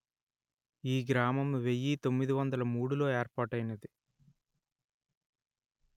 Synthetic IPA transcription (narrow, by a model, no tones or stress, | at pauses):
iːɡɾaːmɐmʋe̞jːit̪omːid̪iʋɐnd̪ɐlɐmuːɽulo̞ːeːɾpaːʈɐjinɐd̪i